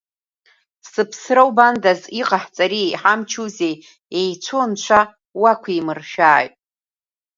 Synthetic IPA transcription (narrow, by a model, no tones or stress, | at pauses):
sɨpʰsrawbandaziqʼaħt͡sʼaɾijħamt͡ʃʰuzej | ejt͡ʃʷʰo̞nt͡ʃʷʰa | wakʷʰiimɨrʃᶣaːjtʼ